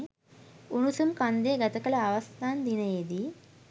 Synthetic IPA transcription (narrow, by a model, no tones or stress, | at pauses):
unusumkɐnd̪eːɡɐt̪ɐkɐlɐːʋɐst̪aːnd̪inɐjed̪i